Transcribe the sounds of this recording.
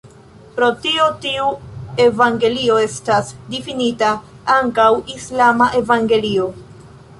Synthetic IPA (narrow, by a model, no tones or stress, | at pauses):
pɾo̞tio̞tiue̞vaŋɡe̞lio̞e̞stasdifinita | aŋkawislamaʔe̞vaŋɡe̞lio̞